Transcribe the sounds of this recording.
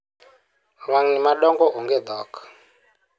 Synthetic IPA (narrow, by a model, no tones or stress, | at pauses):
βaŋnimaɗɔŋɡɔuŋɡɛd̪ɔːkḁ